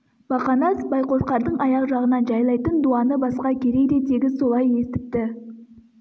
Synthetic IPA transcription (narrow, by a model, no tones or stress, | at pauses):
b̥ɑqɑnɑsbɑjqo̞ʃqɑɾd̪əɴɑjɑqʒɑʁənɑnʒɑjlˠɑjt̪ənd̪uɑnəbɑsqɑkʲʰe̞ɾe̞jd̪e̞t̪ʰe̞ɡʲɪso̞lˠɑje̞st̪ɪp̚t̪ɪ